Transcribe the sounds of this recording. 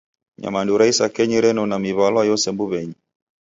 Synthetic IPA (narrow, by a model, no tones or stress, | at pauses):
ɲa̰manduɾaisakɛɲiɾɛnɔnamiβalwajɔsɛmbuβɛɲi